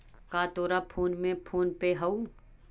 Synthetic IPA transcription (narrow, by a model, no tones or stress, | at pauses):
kaːt̪oːɾapʰoːnmẽpʰoːnpeɦɐu